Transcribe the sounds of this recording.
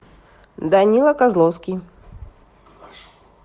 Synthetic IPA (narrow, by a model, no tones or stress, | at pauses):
d̪anʲilˠɐkazlˠowskʲij